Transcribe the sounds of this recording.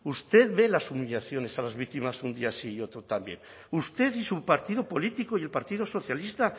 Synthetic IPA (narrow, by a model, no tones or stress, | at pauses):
ust̪e̞ðβe̞lasumiʎaθjo̞ne̞salazβik̚t̪imasund̪iasiːo̞t̪ɾot̪ambje̞̰n | ust̪e̞ðisupaɾt̪iðopo̞lit̪ikoie̞lpaɾt̪iðoso̞θjalist̪a